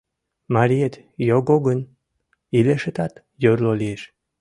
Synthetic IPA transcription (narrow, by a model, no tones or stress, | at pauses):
mɑɾʲiet̪joɡoɡən | ileʃet̪ɑt̪ | jøɾlolieʃ